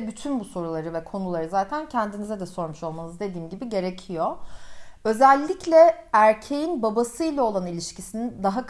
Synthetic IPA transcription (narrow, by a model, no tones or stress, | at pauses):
byt̪ʰynbuso̞ɾulˠaɾɯvɛkʰo̞nulˠaɾɯzaːt̪ʰæncʰænd̪inizɛd̪ɛso̞ɾmuʃo̞lˠmanɯzd̪e̞d̪iːmɟibiɟe̞ɾe̞cʰijo | ø̞zælʲːicʰlʲɛæɾcʰe̞jinbabasɯilʲˠao̞lˠanilʲiʃcʰisinind̪aɦak